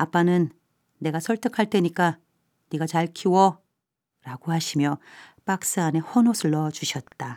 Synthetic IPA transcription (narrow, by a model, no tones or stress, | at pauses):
ap͈ːanɯnː | e̞ɡasʰʌɭt͈ʰɯkʰaɭt͈e̞ɲik͈a | niɡat͡ɕaɭkʰiwʌ | ɾaɡohaɕʰimjʌp͈ak̚s͈aːne̞hʌnosʰɯɭːʌt͡ɕuɕʰʌt̚t͈a